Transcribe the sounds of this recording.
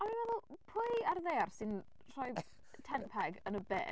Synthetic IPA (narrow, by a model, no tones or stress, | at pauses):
aminvɛðʊlˠpʰʊɨarðejarsɪn | r̥ɔj | tʰɛnpʰɛɡənəbḛː